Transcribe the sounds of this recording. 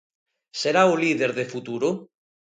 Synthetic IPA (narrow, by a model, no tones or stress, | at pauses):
seɾauliðeɾðefut̪uɾo